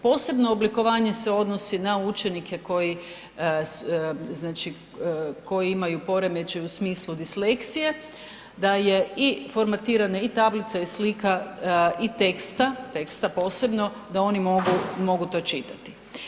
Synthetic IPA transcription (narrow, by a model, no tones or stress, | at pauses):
po̞ːse̞bno̞ːbliko̞ʋaːɲe̞se̞o̞d̪no̞sinaut͡ʃe̞nikʰe̞ko̞ji | sznaːt͡ʃi | ko̞jiimajupo̞ɾe̞me̞t͡ʃeusmiːslˠud̪isle̞kt̪sije̞ | d̪aje̞ifo̞ɾmat̪iːɾanait̪ablit̪saislikait̪e̞kst̪at̪e̞kst̪apo̞ːse̞bno̞ | d̪ao̞nimoɡumo̞ɡut̪o̞t͡ʃit̪at̪i̥